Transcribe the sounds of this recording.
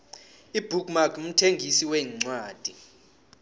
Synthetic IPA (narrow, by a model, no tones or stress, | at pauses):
ibukʼmakʰm̩tʰeŋɡʱisiwɛŋ͡ǀwaːd̥ʱi